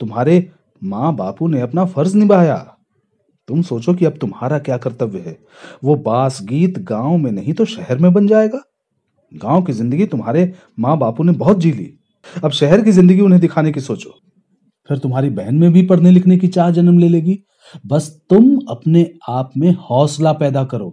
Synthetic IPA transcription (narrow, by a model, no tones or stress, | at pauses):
t̪ʊmɦaːɾe | mãːbaːpuneɐpnafɐɾznɪbaːja̰ː | t̪ʊmsoːt͡ʃokiɐb̚t̪ʊmɦaːɾakjaːkɐɾt̪əʋjəɦɛː | ʋobaːsɡiːt̪ɡãːõmẽnɐɦĩt̪oʃɛɦɛɾmẽbɐnd͡ʒaːeːɡaː | ɡãːõkizɪ̃nd̪əɡit̪ʊmɦaːɾe | mãːbaːpunebɔɦʊt̪̚d͡ʒiːlḭː | ɐbʃɛɦɛɾkizɪ̃nd̪əɡiʊnɦẽd̪ɪkʰaːnekisoːt͡ʃoː | pʰɪɾt̪ʊmɦaːɾibɛɦɛnmẽbʱipɐɽ̤nelɪkʰnekit͡ʃaːɾd͡ʒɐnəmleːleːɡiː | bɐst̪ʊmɐpneaːpmẽhɔːslapɛːd̪akɐɾo̰ː